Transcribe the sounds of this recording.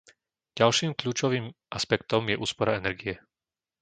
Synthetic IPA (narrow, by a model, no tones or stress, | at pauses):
ɟ̥alʃiːmkʎuːt͡ʃɔʋiːmʔaspɛkt̪ɔmjɛʔuːspɔɾaɛnɛɾɡiɛ